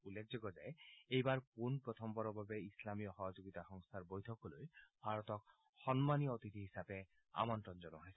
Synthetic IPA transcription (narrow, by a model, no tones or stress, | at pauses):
ulːek̚ʰzoɡɔzaeejbaɹkunpɹɔt̪ʰɔmbɔɾɔbabeislamijɔxɔɦɔd͡ʒoɡit̪axɔŋst̪ʰaɹbojt̪ʰɔkɔlojbʱaɹɔt̪ɔk̚ | xɔnmaniɔot̪it̪iɦisape | a̰mɔntɔnd͡ʒɔnɔɦɔjsɛ